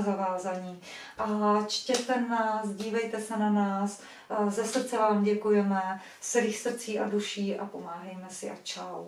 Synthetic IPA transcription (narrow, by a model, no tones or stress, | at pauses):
zavaːzaɲiː | ʔat͡ʃcɛsɛnnaːsɟiːvɛjt̪ɛsɛnanaːs | zɛsr̩t͡sɛvaːmɟɛkujɛmɛ | sɛliːxsr̩t͡siːʔaduʃiːʔa̰po̞maːɦɛjmɛsɪʔat͡ʃal